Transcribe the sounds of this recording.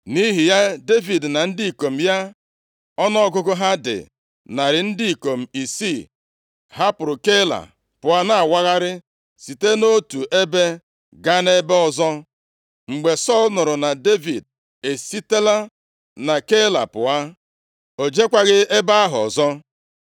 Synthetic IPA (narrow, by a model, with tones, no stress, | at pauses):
ni˦ɦi˨ja˦de˦vi˨dna˨n̩˦di˦i˨ko˨m̩˨ja˦ | ɔ˦nɔ˦ɡʊ˦ɡʊ˦ɦa˦dɪ̰˨ | na˨ɾɪ˨n̩˦dɪ˦i˨ko˨m̩˨i˨si˦˨ | ɦa˦pʊ˨ɾʊ˨ke˦la̰˨ | pʊ˨a˦na˨a˨wa˦ɣa˦ɾɪ˦ | si˨te˦no˦tu˨ʔe˦be˦ | ɡa˦ne˦bɔ˨zɔ˦ | ŋ͡m̩˨ɡ͡be˨sɔ˦˨lnʊ˨ɾʊ˨na˨de˦vi˨d̚ | e˨si˦te˦la˦ | na˨ke˦la̰˨pʊ̰˨a˦ | o˨d͡ʒe˦kʷa˦ɣɪ˦e˦ba˦a˦ɦʊ˨ɔ̰˨zɔ˦